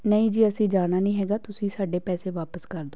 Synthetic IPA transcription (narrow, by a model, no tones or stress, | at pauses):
nəĩːd͡ʒiːəsĩːd͡ʒaːnaːnĩːɦɛːɡaːt̪ʊsĩːsaːɖeːpɛːseːʋaːpəskəɾd̪oː